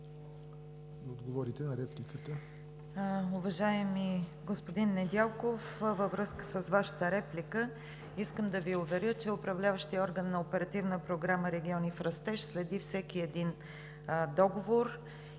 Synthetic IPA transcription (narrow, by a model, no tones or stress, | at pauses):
d̪ɐod̪ɡovɔɾit̪ɛnɐɾɛplikət̪ə | ʊvɐʒaɛmiɡospod̪inːɛd̪ʲalˠkofvəvɾɤskə̥səzvaʃə̥t̪əɾɛplʲikə | iskəmd̪ɐviʊvɛɾʲət͡ʃɛʊpɾɐvlʲavəʃt̪iɔɾɡənːɐopɛɾɐt̪ivnəpɾoɡɾaməɾɛɡʲiɔnifɾɐst̪ɛʃslɛd̪ifsɛkiɛd̪in | d̪ɔɡovoɾ